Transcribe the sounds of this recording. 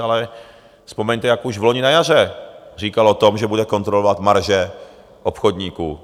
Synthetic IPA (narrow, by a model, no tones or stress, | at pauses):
alɛ | spo̞mɛɲt̪ɛjakuʒvloɲɪnajar̝ɛr̝iːkalot̪omʒɛbudɛko̞nt̪ɾolovat̪maɾʒɛ | ʔopxod̪ɲiːkṵː